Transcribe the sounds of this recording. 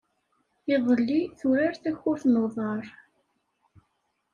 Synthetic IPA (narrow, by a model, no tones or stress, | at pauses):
ɪðˤəlːiθʊɾaɾθæçʊθnoðˤɑɾˤ